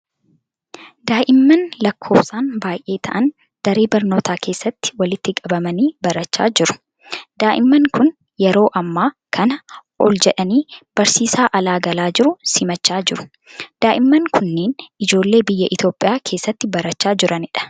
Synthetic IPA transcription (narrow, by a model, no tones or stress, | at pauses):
d̪aːʔɪmːɐnlɐkʰːo̞ːbsaːnbaːjʔe̞ːt̪ʰɐʔɐn | d̪̥ɐɾeːbɐɾno̞ːt̪ʰaːkʰe̞ːsːɐt̪ːɪ̥wɐlɪt̪ːɪkʼɐbɐmɐniːbɐɾɐt͡ʃːa̰ːd͡ʒɪɾʊ̥ | d̪̥aːʔɪmːɐŋkʊn | jɛɾo̞ːʔɐmːaːkʰɐnɐʔɔ̰ld͡ʒɛᶑɐniːb̥ɐɾsiːsaːʔɐlaːɡɐlaːd͡ʒɪɾʊsɪmɐt͡ʃːaːd͡ʒɪɾʊ̥ | d̪̥aːʔɪmːɐŋkʊnːeːnɪd͡ʒo̞ːlːe̞ːbɪjːɐʔɪt̪jo̞ːpʼɪjaːkʰe̞ːsːɐt̪ːɪbɐɾɐt͡ʃːaːd͡ʒɪɾɐnɪᶑɐ̥